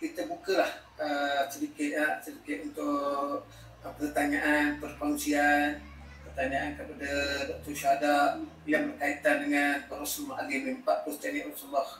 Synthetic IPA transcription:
kit̪əbukəlah | əsədikɪt̪̚asədikɪt̪̚unt̪ʊ | əpərt̪aɲaʔanpərpaŋusian | pərt̪aɲaʔankəpadadɔk̚t̪ɔrʃaɦadaʔ | jaŋbərkait̪andəŋanpəɾosmaalimimpaʔpəst̪aniʔsəbah

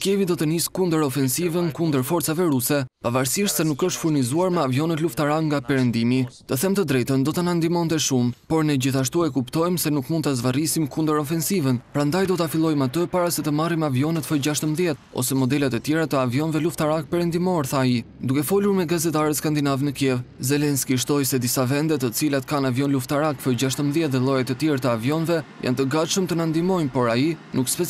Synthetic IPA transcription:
skɛvid̪ɔt̪əniskund̪əɾɔfɛnsivənkund̪əɾfɔɾt͡savɛɾusɛpavaɾsiʃsɛnukəʃt̪fuɾnizuaɾmɛavjɔnət̪luft̪aɾakŋɡapɛɾɛnd̪imit̪əθɛmt̪əd̪ɾɛjt̪ənd̪ɔt̪anand̪imɔnt̪ɛʃumpɔɾnəd͡ʑiθaʃ̬t̪uɛkupt̪ɔjmsɛnukmund̪t̪azvarisimkund̪əɾɔfɛnsivənpɾand̪ajd̪ɔt̪afilˠɔjmat̪əpaɾasɛt̪əmarimɛavjɔnət̪fɔd͡ʑaʃt̪əmðjɛt̪̚ɔ̰sɛmɔd̪ɛlat̪ət̪jɛɾat̪əavjɔnvɛluft̪aɾak̚pɛɾɛnd̪imɔɾθaːid̪ukɛfɔluɾmɛɡazɛt̪aɾət̪skand̪inavnəkjɛvzɛlɛnskiʃ̬t̪ɔjsɛd̪isavɛnd̪ɛt̪ət͡silat̪kanavjɔnluft̪aɾakfəjɟaʃt̪əmðjɛt̪̚ðɛlˠɔjat̪ət̪jɛɾt̪əavjɔnvɛja̰nt̪əɡat̪ʃəmt̪ənand̪imɔjmpɔɾainʔukspɛ

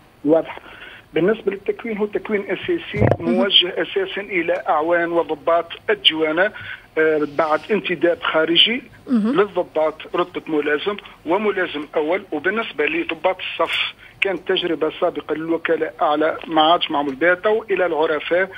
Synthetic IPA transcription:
wɑːd̪ˤəħbənːəsbalɪt̪ːækwiːnɦut̪ːækwiːnʔæsæsimʊwæʒːəhʔæsæsanʔəlæʔaʕwæːnwəd̪ˤʊbːɑːt̪ˤʔɪd̪ːɪwæna | baʕd̪ʔənt̪ɪd̪æːbxæɾəʒiləðˤːʊbːɑːt̪ˤɾʊt̪̚ˤbɑt̪mʊlæːzəmwɪmʊlæzəmʔæwːəlwbənːəsbalid̪ˤʊbːɑt̪ə̥sˤːɑf | kænət̪ːæʒɾəbasˤɑːbəqɑlɪlwʊkælæʔʔaʕlæmaʕad̪ʃmaʕmʊlbæt̪æwʔəlælʕʊɾˤɑfæʔ

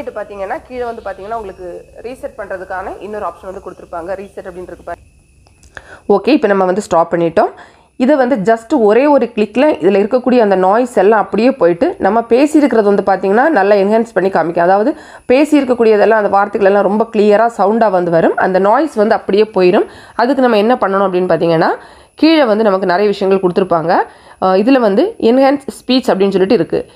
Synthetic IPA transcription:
ɪʈːɯpaːɾt̪iːŋɡɐnːaːkiːðɐʋɐnd̪ɯpaːɾt̪iːŋɡɐnːaːʊŋɡɐɭɯkːɯɾiːsɛʈ̚pɐɳːɾɐðɯkːaːnɐʔɪnːoːɾaːpʂɐnʋɐnd̪ɯkɔɽɯt̪ːɯɾɯpːaːŋɡɐɾiːsɐʈːɐpːɐɽɪnɾɯkːɯpaːɾ | oːkeːɪpːɐnɐmːɐʋɐnd̪ɯsʈaːpːɐɳːɪʈːõː | ɪðɛʋɐnd̪ɯd͡ʒɐsʈɯɔɾeːɔɾɯkɭɪkːlɐʔɪðɪlɐɪɾɯkːɐkːuːɽɪjɐːnd̪ɐnaːjɪsɛlːãːɐpːɐɽɪjeːpoːjɪʈːɯnɐmːɐpeːsɪjɪɾɯkːɪɾɐðɯʋɐnd̪ɯpaːɾt̪iːŋɡɐnːaːnɐlːɐɪnɡɛːnspɐɳːikaːmɪkʲːõːɐðaːʋɐðɯ | peːsɪjɪɾɯkːɐkːuːɽɪjɐðɛlːãːɐnd̪ɐʋaːɾt̪ːɐɣɐɭɛlːãːɾɔmbɐkliːjɐɾaːsɐʊɳɖaːʋɐnd̪ɯʋɐɾɯmɐ̰nd̪ɐnoːjsʋɐnd̪ɯɐpːɐɽɪjeːpoːjɪɾɯm | ɐðɯkːɯnɐmːɐɛnːɐpɐɳːɐɳʊ̃ɐpːɐɽɪnːɯpaːɾt̪iːŋɡɐnːaː | kiːɻɐʋɐnd̪ɯnɐmɐkːɯnɪɾɐjɐʋɪʂɐjɐŋɡɐɭkɔɽɯt̪ːɯɾɯpːaːŋɡɐ | ɪðɪlɐʋɐnd̪ɯɪnhaːnsspiːt͡ʃɐpːɐɽɪnːɯs̬ɔlːɪʈːɯɪɾɯkːɯ̰

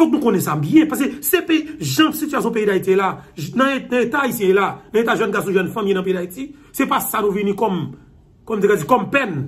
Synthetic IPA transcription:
sɔ̃knũkonɛ̃sabjɛ̃pas̬esepeʒɐ̃sityasjɔ̃p̬eidait̪ielanɐ̃ñet̪aːisjɛ̃jelanɐ̃et̪aʒãnɡas̬ɔ̃ʒwɛnfãmjenɐ̃peidaiti | sepasanovinĩkɔm | kɔmt̪̬ekad͡zikɔmpɛn

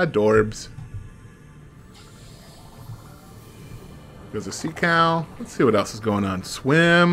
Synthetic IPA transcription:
dɔɹbz̥ | ðə˞zɨsikʰaʊlətsiwʌɾɛlˠsɨzɡoʊɪ̃ŋə̃nswɪ̃m

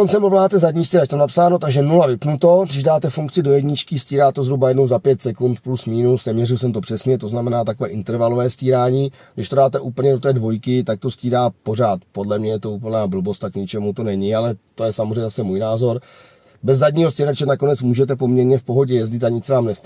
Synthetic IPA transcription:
kont͡sɛmpolaːɦaːt̪ɛzadɲiːfsciːɾac̚t̪onapsaːno̞t̪aɡʒɛnulavɪpnut̪o̞dɪʒdaːt̪ɛfuŋkt͡sɪdo̞jɛdɲɪt͡ʃkɪsciːɾaːt̪ozɦɾubajɛdno̞wzapjɛt̪sɛkunt̪plusmiːnusnɛmɲɛrɪls̬ɛmt̪o̞pr̥ɛsɲɛt̪o̞znamɛnaːt̪akovɛːʔɪnt̪ɛɾvalovɛːfsciːɾaːɲiː | ɡdɪʃt̪o̞daːt̪ɛʔuːpl̩ɲɛdo̞t̪ɛːdvo̞jkɪt̪ak̚t̪o̞sciːɾaːpo̞raːt̪po̞dlɛmɲɛjɛt̪o̞uːp̬l̩naːbl̩bo̞st̪akɲɪt͡ʃɛmut̪o̞nɛɲɪalɛt̪o̞jɛsamozrɛjɲɛzasɛmuːjnaːzo̞ɾ | bɛzːadɲiːɦo̞sciɾat͡ʃɛnako̞nɛt͡smuːʒɛt̪ɛpo̞mɲɛɾɲɛfpo̞ɦo̞ɟɛjɛzɟɪt̪aɲɪt͡snaːmnɛs

